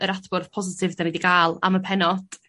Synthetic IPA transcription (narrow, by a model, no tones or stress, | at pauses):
əɾadb̥ʊrð̥pʰɔzɪtʰɪvdanidiɡaːlˠa̰məpʰɛnɔd̥